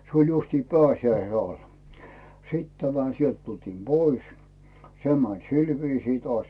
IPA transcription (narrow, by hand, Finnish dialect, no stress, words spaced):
se olʲ justiː pæːsjæise ɑl sit tæmæ sielt tultiːm b̥ois se mæn sil ʋiːsiː toɑˑsʲ